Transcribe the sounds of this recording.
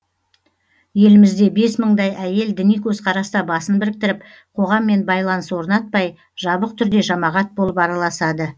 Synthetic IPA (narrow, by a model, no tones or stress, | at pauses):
je̞lɪmɪzd̪e̞be̞sməɴd̪ɑjæje̞ld̪ɪnijkʲʰɵzqʰɑɾɑst̪ɑbɑsənbɪɾɪk̚t̪ɪɾɪp̚ | qʰo̞ʁɑmːe̞nbɑjlˠɑnəswo̞ɾnɑt̪̚pɑj | ʒ̥ɑbəq̚t̪ʰʏɾd̪e̞ʒɑmɑʁɑt̪̚bo̞lˠəpɑɾɑlˠɑsɑd̪ə